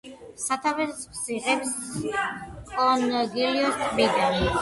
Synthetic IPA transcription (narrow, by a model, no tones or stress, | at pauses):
sat̪ʰavɛspʰsiʁɛps | kʼɔnɡiliɔst̪ʼbid̪an